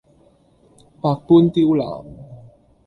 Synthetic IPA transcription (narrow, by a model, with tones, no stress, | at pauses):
pa˧k̚pu˥nt̪i˧u˦la̰˨m